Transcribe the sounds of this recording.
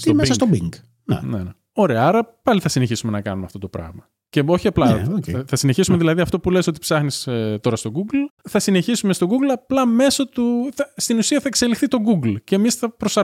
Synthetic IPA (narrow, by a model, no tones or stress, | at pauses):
mesɐst̪obḭŋɡ | nḛnḛne | o̞ɾe̞ɐɐɾɐpɐliθɐsineçisume̞nɐkɐ̰numeɐft̪o̞t̪o̞pɾɐ̰ɣmɐ | ceo̞çiɐplɐocθɐsine̞çisume̞ðilɐðiɐft̪o̞puleso̞t̪ipsɐxniset̪o̞ɾɐst̪o̞ɡuɡlθɐsine̞çisume̞st̪o̞ɡuɡlɐplɐme̞sot̪uθɐst̪inusiɐθɐekse̞lixθit̪o̞ɡuɡlce̞misθɐpɾo̞sɐ